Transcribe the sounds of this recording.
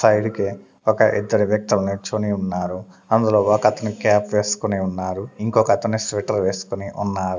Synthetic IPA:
sɐjɽike | ɔkɐʔḭd̪ːɐɾiʋjɐk̚t̪ulɐnut͡ʃoniunːaːɾu | ɐnd̪ulo̞ːɔkɐt̪ɐnːikaːpʋeːsu̥kuniunːaːɾuiŋkɔːkɐɐt̪ɐnːisʋiʈɐɾʋe̞ːsu̥koniʔṵnːaːɾu

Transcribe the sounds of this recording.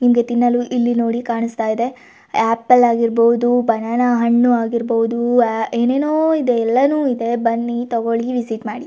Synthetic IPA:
nimɐɡe̞t̪inːɐluʔilːinoːɽikaːɳust̪aːjd̪e̞ | aːpːɐlaːɡiɾboud̪ubɐnaːnɐɦɐɳːuaːɡiɾbowud̪ueːne̞ːnoːid̪eɛlːɐnuːid̪e̞bɐnːit̪ɔɡoɭiʋisiʈmaːɽi

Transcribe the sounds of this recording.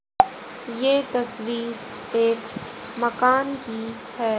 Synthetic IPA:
jeːt̪ɐswiːɾ | eːk | mɐkaːnki | hɛː

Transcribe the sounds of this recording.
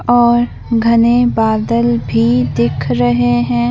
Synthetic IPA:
ɔːɾ | ɡʱɐnebaːd̪əlbʱid̪ɪkʰɾɐɦeɦɛ̃ː

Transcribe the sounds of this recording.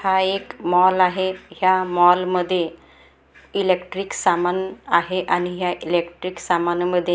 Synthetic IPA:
haekmɔlaɦeɦjamɔlməd̪ʱːje | ilekʈɾiːksamanaɦeʔañiɦjaʔilekʈɾiːksamanməd̪ʱːje

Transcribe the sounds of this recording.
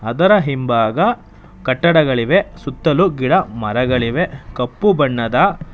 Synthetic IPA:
ɐd̪ɐɾɐɦimbaːɡɐ | kɐʈːɐɽɐɡɐɭiʋe̞sut̪ːɐluɡiɽɐmɐɾɐɡɐɭiʋekɐpːubɐɳːɐd̪ɐ

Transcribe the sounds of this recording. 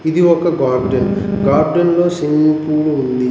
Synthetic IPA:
id̪iɔkːɐɡaːɾɖɐnɡaːɾɖɐnloːsiŋipuːɽuund̪i

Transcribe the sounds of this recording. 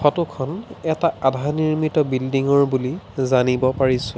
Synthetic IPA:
xɔtukʰɔnɛtaadʱaniɹmitɔbildiŋɔɹbulizanibɔpaɹisʊ̃

